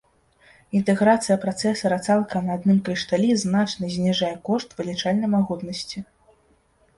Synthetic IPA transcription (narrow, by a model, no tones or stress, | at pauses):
int̪ɛɣɾat̪sɨjɐpɾat̪sɛsɐɾɐt̪salˠkɐnɐːd̪nɨmkɾʲiʂt̪alʲiznat͡ʂnɐzʲnʲɛʐajɛkɔʂt̪vɨlʲit͡ʂalʲnɐjmaɣut̪nɐsʲt͡sʲi